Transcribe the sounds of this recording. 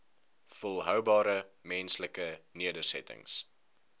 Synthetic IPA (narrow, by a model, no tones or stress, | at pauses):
fəlˠɦœwbɑːɾə | mɛnsləkəniədəsɛ̰tə̰ŋs